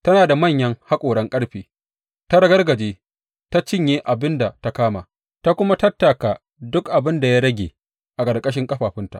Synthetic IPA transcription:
tɐ˦naː˨da˨mɐ˦˨ɲjɐ˦ŋha˦kʷʼoː˨ɽɐ˦ŋkʼɐ˦ɽɸiː˨ | ta˦ɽɐ˦ɡɐ˦rɡɐ˨d͡ʒeː˦ | ta˦t͡ʃɪ˦ɲjeː˦ʔa˨bɪ˦nda˨ta˦kaː˦ma̰ː˨ | ta˦kʷʊ˦ma˦tɐ˦tːa˨ka˨ | dʊ˦kʔa˨bɪ˦nda˨ja˦ɽɐ˦ɡʲḛː˨ | ʔa˨kʼɐ˨rkʼɐ˦ʃ̬ɪ˦ŋkʼɐ˦ɸaː˨ɸɪ˦nta̰˨ʔ

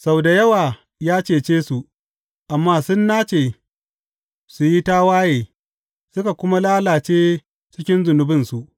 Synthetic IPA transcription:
sa˦˨wda˨jɐ˦waː˨ | jaː˦t͡ʃeː˨t͡ʃeː˦su˨ʔ | ʔa˨mːaː˦sʊ˦nːaː˦t͡ʃeː˨ | su˨ji˦taː˦waː˦jeː˨ | sʊ˦ka˨kʷʊ˦ma˦laː˦laː˨t͡ʃeː˦ | t͡ʃɪ˦kʲɪ˦nzʊ˨nʊ˨bɪ˦nsu˨ʔ

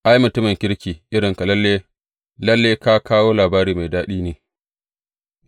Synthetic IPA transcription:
ʔa˦jmʊ˨tʊ˦mɪ˨ŋkʲɪ˦ɽkʲiː˨ʔɪ˦ɽɪ˨ŋka˨lɐ˦lːeː˦ | lɐ˦lːeː˦ka˦kʰaː˦woː˦laː˨baː˦ɾiː˨ma˨jdaː˦ɗiː˦neː˨

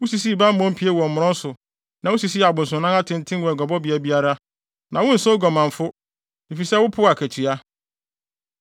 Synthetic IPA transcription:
wʊ˦si˨s̬i˦˨bã˦m̩˦ɔ̃˦m̩˦pʰi˨˦e˦wɔ˨m̩˨mʊ̃˨ɾɔ̃˦n̩˦sʊ˨ | nã˨wʊ˦si˨s̬i˦˨a˨bʊ̃˨n̩˨sʊ̃˨nã˦ŋa˦tʰɪ̃˦n̩˦tʰɪ̃˦n˦wɔ˨ɛ˨ɡɔ˨bɔ˦bi˨a˨bi˦a˦ɾa˦ | nã˨wʊ̃˦n̩˨sɔ˦ɡɔ˨mã˨ɱ˨fʊ˦ | i˨fi˨sɛ˦wʊ˦pʰʊ˦a˨kʰæ˨tʰi˨a˦

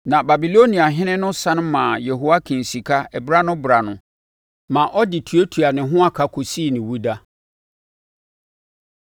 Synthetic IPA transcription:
nã˨ba˨bi˨lo˦nĩ˨a˨ɦɪ̃˦nɪ̃˦nʊ̃˦sã˦ñ˦mãː˨je˨ɦo˦wa˦kʰĩ˨n̩˨si˨kʰa˦ɛ˨bɾa˦nʊ̃˦bɾa˨nʊ̃˨ | mã˨ʔɔ˦dɪ˨tʰu˨˦e˦tʰu˨a˨nɪ̃˨ɦʊ̃˦a˦kʰa˨kʰo˨siː˦˨nɪ̃˨wu˦da˦

